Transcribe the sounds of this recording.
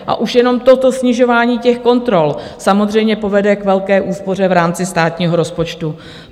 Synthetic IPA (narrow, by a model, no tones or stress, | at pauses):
ʔa̰ʔuʃjɛno̞mt̪o̞t̪o̞sɲɪʒo̞vaːɲiːcɛxko̞nt̪ɾo̞lsamo̞d̪r̝ɛjmɲɛpo̞vɛdɛkvɛlkɛːʔuːspo̞r̝ɛvɾaːmt͡sɪst̪aːt̪ɲiːɦo̞ɾo̞spo̞t͡ʃt̪u